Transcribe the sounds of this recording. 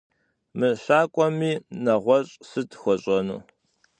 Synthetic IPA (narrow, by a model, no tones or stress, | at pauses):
mɨɬaːkʷʼɔmiːnɐʁʷɔɕʼsɨtʰxʷɔɕʼɐnṵː